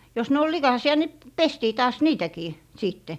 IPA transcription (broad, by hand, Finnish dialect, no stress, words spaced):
jos ne ol likɑˑsiɑ ni p pestiː tɑːs niːtækiː siˑtːe